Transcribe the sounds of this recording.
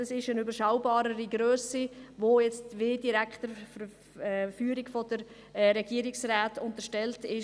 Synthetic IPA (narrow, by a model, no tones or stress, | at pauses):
ɑsɪʃənybəɾʃaʊbɑːɾəɾiɡɾøːsivoːjɛt͡stʋeːdiɾækχtəfə | ɛfyːɾiɡfɔd̥əɾ | ɾɛɡ̥iːəɾɪksraːtʊntəʃtɛltɪʃ